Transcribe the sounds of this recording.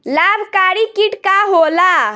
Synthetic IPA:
labʱkaɾikiʈkaɦola

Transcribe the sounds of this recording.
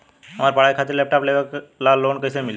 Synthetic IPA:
əmaɾpaɭajkʰat̪iɾlep̚ʈapleʋəklalonkəisemil

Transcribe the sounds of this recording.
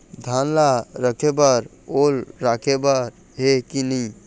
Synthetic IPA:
d̪ʱanlaɾəkʰebəɾ | olɾakʰebəɾ | ɦekinij

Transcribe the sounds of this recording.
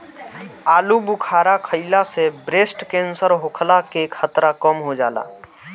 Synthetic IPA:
aːlubʊkʰaːɾakʰəilasebɾeːsʈkẽːnsəɾɦʊkʰlakekʰət̪ɾakəmɦod͡ʒaːla̰ː

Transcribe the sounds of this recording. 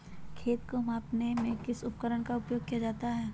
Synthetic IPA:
kʰeːt̪komaːpnemẽkɪsʊp̚kəɾəɽ̃kaʊpjoːɡ̚kijad͡ʒaːt̪aɦɛː

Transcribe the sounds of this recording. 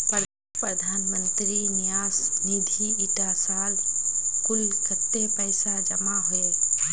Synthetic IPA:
pɾ | pɾəd̪ʱaːnmənt̪ɾinijaːsnid̪ʱiiʈasaːlkʊlsʰət̪ːepəjsad͡ʒəmaɦoje

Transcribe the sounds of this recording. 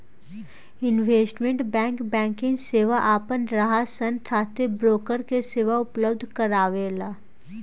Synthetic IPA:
ɪnʋeːsʈmẽɳʈbɛ̃ːŋkbɛ̃ːŋkɪ̃ŋseːʋaʔaːpənɾaɦasənʈ̪ʰaːt̪ebɾoːkəɾkeseːʋaʊpləbd̪ʱkəɾaːʋeːlaː

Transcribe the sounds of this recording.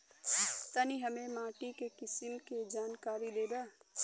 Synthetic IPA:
t̪aniɦɐmẽmaːʈikekɪsɪmked͡ʒaːnkaːɾileːb̪aː

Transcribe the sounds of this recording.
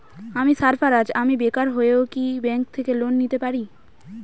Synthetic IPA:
amisaɾfʰaɾad͡ʑamibekaɾɦoeokibɛŋk̚t̪ʰekelonːit̪epaɾi

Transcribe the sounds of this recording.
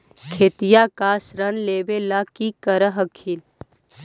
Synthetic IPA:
kʰeːt̪ijakaːsɾənleːbelakikəɾəɦəkʰiːl

